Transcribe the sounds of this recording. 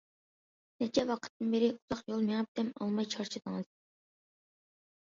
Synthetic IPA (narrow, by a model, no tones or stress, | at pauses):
nɛt͡ʃʰɛwɑqʰə̥t̪ʰːɨnbeɾɪuz̥ɑχjolˠmeŋɨp̚d̪ɛmɑ̰lˠmɑjt͡ʃʰɑɾt͡ʃʰɨd̪əŋɨz̥